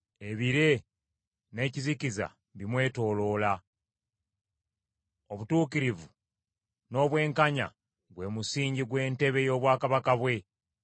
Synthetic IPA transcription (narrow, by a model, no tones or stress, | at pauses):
e̞βiɾe̞ | ne̞ːciziciza̰ | βimwe̞ːto̞ːlo̞ːla | oβutuːkiɾivu | no̞ːβwe̞ːŋkaɲa̰ | ɡwe̞musiːɲɟiɡwe̞ːnte̞βe̞jo̞ːβwaːkaβakaβwe̞